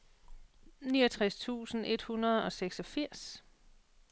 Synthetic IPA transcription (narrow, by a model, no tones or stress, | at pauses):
niːʌt͡sʰʁast͡sʰṵːsn̩ʔe̝d̥hunɐðˠɒ̽seɡ̥sɒ̽fiɐ̰s